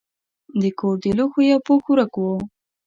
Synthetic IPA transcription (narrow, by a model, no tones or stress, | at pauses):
d̪əkoɾd̪eluxojawpoxuɾakwo